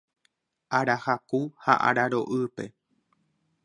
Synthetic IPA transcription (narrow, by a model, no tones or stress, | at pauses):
ʔaɾahakuha̰ʔa̰ɾaɾo̞̰ʔɨpe̞